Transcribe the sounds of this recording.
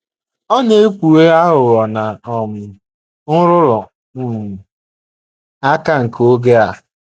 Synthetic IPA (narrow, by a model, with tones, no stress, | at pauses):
ɔ˦ne˦kʷu˨e˦a˦ɦʊ˨ɣɔ˨na˨ɔ˨mɪ˨ | ŋʊ˦ɾʊ˦ɾʊ˨˦˨ | a˦ka˦ŋ̩˨ko˦ɡe˦a˨